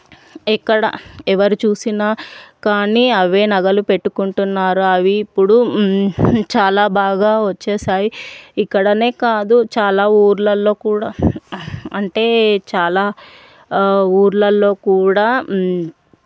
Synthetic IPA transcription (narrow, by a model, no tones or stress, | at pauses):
ɛkːɐɽɐ̰ɛʋɐɾit͡ʃuːsinaːkaːniːɐʋe̞ːnɐɡɐlupe̞ʈːukuɳʈunːaːɾuɐʋiːpːuɽu | t͡ʃaːlaːbaːɡaːʋɐt͡ʃːɛːsaːjiikːɐɽɐne̞ːkaːd̪ut͡ʃaːlaːuːɾlɐlːo̞ːkuːɽaː | ɐɳʈe̞ːt͡ʃaːlaː | uːɾlɐlːo̞ːkuːɽaː